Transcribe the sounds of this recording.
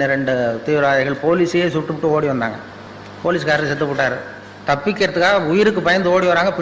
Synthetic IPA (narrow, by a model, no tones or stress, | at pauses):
ɯɾɛɳɖɯt̪iːʋɪɾaːɻɐɪɣɐɭpoːlisjeːsʊʈːɯpːʈːɯoːɽiʋɐnd̪a̰ːŋɡɐ | poːliːs̬kaːɾɐt̪ːsɛt̪̬ːɯpːʊʈːaːɾɯ | t̪ɐpːɪkːɪɾɐt̪ːɯkːaːɣɐʊjɪɾɯkːɯpɐjɐnd̪ɯoːɽiʋaːɾaːŋɡɐpɪ